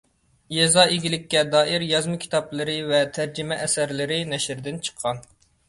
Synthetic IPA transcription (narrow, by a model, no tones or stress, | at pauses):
jɛzɑːeɡʲilɪkʲːɛd̪ɑːʔiɾjɑzmɨkʲʰi̥t̪ɑplˠɨɾɨvɛt̪ʰæɾd͡ʒɪmɛʔɛsæɾlɪɾɪnɛʃɾd̪ɪnt͡ʃʰə̥qʰːɑn